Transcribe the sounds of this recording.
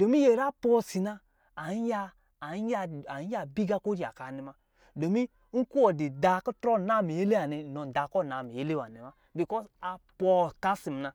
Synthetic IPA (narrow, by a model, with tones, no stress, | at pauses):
d̥o˨mi˦je˨ɾa˦pɔ˦si˨naː˧˨˦ | ja˧˨˦ | a˦a˨˦a˦bi˦ɡa˦ko˦ɾi˨a̰˨ka˨ni˨ma˦ | do˨mi˦ | ŋ̩˦ku˦wɔ˨di˨da˨ku˦tɾɔ˦˨na˦˨mi˨je˦le˦a˨ni˨nɔ˨n˨da˨kɔ˦˨na˨mi˨je˦le˦wa˨ni˨ma˦ | bi˨kɔ˦sa˨pɔ˧ka˦si˨m˨na˧